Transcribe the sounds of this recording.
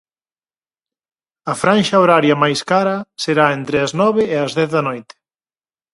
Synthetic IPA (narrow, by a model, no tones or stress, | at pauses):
ɐfɾãnʃɐoɾaɾjɐmajskaɾɐseɾaent̪ɾɪɐznɔβɪːɐzðɛθðɐnojt̪ɪ̥